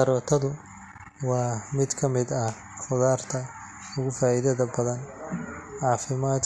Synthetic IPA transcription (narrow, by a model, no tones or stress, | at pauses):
ɐɾɔːt̪ʰɐðʊ | wɑːmɪd̪kʰɐmɪd̪ɐ | χʊðaːrt̪ʰɐ | ʊɣʊfaːɪðɐðɐbɐðɐn | ʕɑːfɪmaːd̪